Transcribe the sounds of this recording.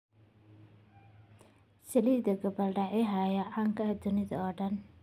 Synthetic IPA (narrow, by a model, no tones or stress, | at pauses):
sɐliːd̪ɐɡɐbɐlɖɐʕɪɦajɐʕaŋkʰɐd̪ʊnɪðɐ̰ɔːɖɐn